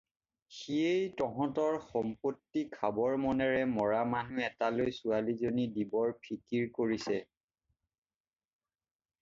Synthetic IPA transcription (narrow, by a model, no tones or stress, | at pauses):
xiejtɔɦɔ̃tɔɹxɔmpotːikʰabɔɹmɔnɛɹɛmɔɹamanuɛtalojsualizonidibɔɹpʰikiɹkoɹisɛ